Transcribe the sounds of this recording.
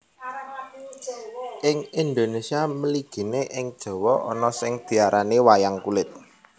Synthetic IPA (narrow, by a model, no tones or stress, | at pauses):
ʔɪŋind̪onesiaməliɡ̥i̤neʔɪŋd̥ʒ̥ɔ̤wɔʔɔ̰nɔsɪŋd̪̥i̤aɾʔanewajaŋkulɪt̪̚